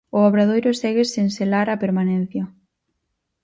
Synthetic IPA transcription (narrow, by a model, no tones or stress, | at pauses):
ʊaβɾað̞ojɾʊsɛɣesenselaɾapeɾmanɛ̃n̟θjɐ